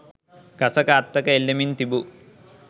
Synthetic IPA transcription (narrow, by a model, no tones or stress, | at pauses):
kɐsɐkaːt̪ːɐkɐelːɐmint̪ibu